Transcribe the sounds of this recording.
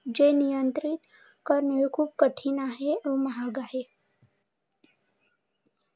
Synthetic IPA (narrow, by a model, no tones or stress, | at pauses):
d͡ʒenijənt̪ɾɪt̪ | kəɾnekʰuːb̚kəʈʰinaɦeomɐɦaːɡaɦe